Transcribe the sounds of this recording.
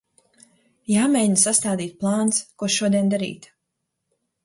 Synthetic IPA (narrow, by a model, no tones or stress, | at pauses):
jaːmɛɲsast̪aːd̪iːt̪̚plˠaːnskuɔʃuɔd̪iɛnd̪aɾḭːt̪